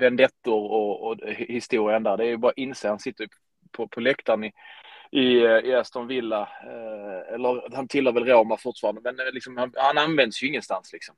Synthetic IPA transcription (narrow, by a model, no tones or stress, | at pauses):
vɛnd̪ɛt̪ːʊɾɔɔhɪst̪uːɾɪənd̪æːɾɖ̪ɛæɾjɵbɑːɾaʔɪnseːhansɪt̪ːəɾʰ | pʰɔpʰɔlɛkt̪anɪʔɪɪast̪ɔnvɪlːa | ɛlːəɾhant̪ʰɪlːəːɾvɛlɾamafʊʈ̪fɑːɾand̪əmɛnlɪksɔmhanhananvɛnd̪əsjɵɪŋːənst̪anslɪksɔm